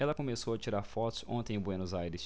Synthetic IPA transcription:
ɛlɐkõmesowɐt͡ʃiɾaɾfɔt̪ʊ̥sõnt̪ẽj̃ʊbwenozajɾɪs

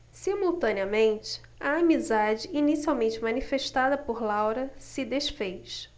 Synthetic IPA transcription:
simuwt̪ɐ̃niɐmẽnt͡ʃɪ̥ | ɐamizad͡ʒɪinisiawmẽnt͡ʃɪmɐ̃nifeʃt̪ad̪ɐpoɾlawɾɐsɪd̪eʃfejʃ

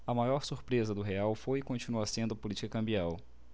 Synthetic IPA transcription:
ɐmajɔɾsuɾpɾezɐd̪ʊɦeawfojɪkõnt͡ʃinuɐsẽnd̪ʊɐpolit͡ʃi̥kɐkɐ̃mbiaw

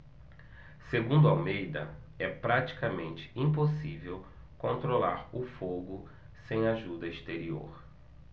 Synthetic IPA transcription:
seɡũd̪uawmejd̪ɐ̰ | ɛpɾat͡ʃi̥kɐmẽnt͡ʃɪ̥ĩp̬osivew | kõnt̪ɾola̰ɾʊfoɡʊ | sẽj̃aʒud̪ɐist̪eɾio̰ɾ

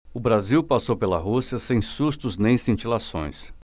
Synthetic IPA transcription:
ʊbɾaziwpasowpelɐ̰ɦusiɐsẽj̃sust̪ʊznẽj̃sĩt͡ʃilasõ̰j̃s

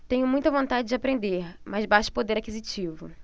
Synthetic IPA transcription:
t̪ẽɲʊmũj̃t̪ɐvõnt̪ad͡ʒɪd͡ʒɪapɾẽnd̪eɾmʔazbaʃʊ̥pod̪eɾakizit͡ʃivʊ̰

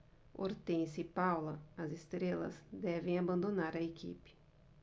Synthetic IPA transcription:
o̰ɾt̪ẽjsɪpawlɐɐzest̪ɾelɐ̰zd̪ɛvẽj̃abɐ̃nd̪onaɾɐekḭpɪ̥

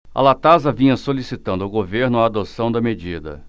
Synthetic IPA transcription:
ɐ̰lat̪azɐvĩɲɐsolisit̪ɐ̃nd̪ʊɐʊwɡoveɾnʊaːd̪osɐ̃w̃d̪ɐmed͡ʒid̪ɐ̰

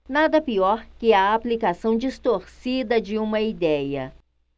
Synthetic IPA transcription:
nad̪ɐpiɔɾkɪɐːplikasɐ̃w̃d͡ʒist̪oɾsid̪ɐd͡ʒɪũmɐid̪ɛjɐ

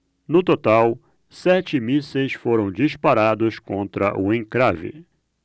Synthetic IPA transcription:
nʊt̪ot̪aw | sɛt͡ʃɪmisejsfoɾɐ̃w̃d͡ʒispaɾad̪ʊskõnt̪ɾɐ̰ʔʊẽŋkɾavɪ̰

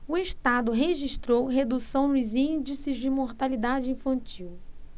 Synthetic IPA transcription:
ʊeʃt̪ad̪ʊɦeʒiʃt̪ɾowɦed̪usɐ̃w̃nʊzĩd͡ʒisɪzd͡ʒɪmoɾt̪alid̪ad͡ʒɪĩfɐ̃t͡ʃiw

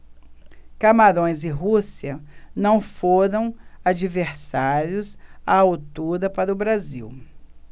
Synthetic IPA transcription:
kamaɾõj̃zɪɦusiɐnɐ̃w̃foɾɐ̃w̃ad͡ʒiveɾsaɾjʊsaawt̪uɾɐpaɾʊbɾaziw

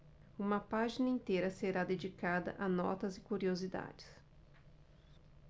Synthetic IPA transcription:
ũmɐpaʒinɐĩnt̪eɾɐseɾad̪ed͡ʒikad̪ɐ̰ʔɐnɔ̰t̪ɐzɪkuɾiozid̪a̰d͡ʒɪ̥s

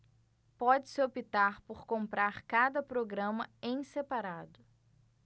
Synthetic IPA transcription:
pɔd͡ʒɪsɪopit̪aɾpoɾkõmpɾaɾkad̪ɐpɾoɡɾɐ̃mɐẽj̃sepaɾad̪ʊ

